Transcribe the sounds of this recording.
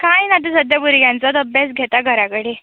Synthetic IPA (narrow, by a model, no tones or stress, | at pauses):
kajnat̪isəd̪jabuɾɡjãnt͡sad̪əbjesɡʱet̪aɡʱəɾakəɽe